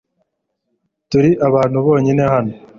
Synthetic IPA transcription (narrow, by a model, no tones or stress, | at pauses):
tuɾiʔaβaːnhuβo̞ːɲine̞hano